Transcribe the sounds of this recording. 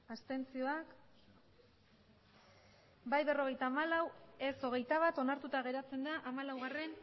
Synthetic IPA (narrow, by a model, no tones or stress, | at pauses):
ast̪e̞nt͡sio̞ak | bajβe̞ro̞ɣ̞e̞jt̪aːmalawe̞so̞ɣ̞e̞jt̪aβat̪o̞naɾt̪ut̪aɣ̞e̞ɾat͡se̞nd̪aʔamalawɣare̞n